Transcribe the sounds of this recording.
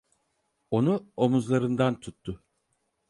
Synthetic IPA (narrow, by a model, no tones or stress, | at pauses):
o̞nuomuzlˠaɾɯnd̪ant̪ʰut̪ʰːʊ